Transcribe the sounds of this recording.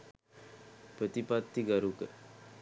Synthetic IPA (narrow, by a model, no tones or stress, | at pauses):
pɾət̪ipat̪ːiɡaɾukə